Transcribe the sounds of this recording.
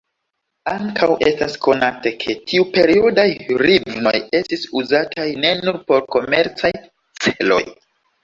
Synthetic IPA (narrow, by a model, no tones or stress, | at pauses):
aŋkʰawʔe̞stasko̞natekʰe̞tʰiupe̞ɾio̞dajɾivno̞̰je̞stisuzatʰajne̞nuɾpo̞ɾko̞me̞ɾt͡saj | t͡selo̞̰j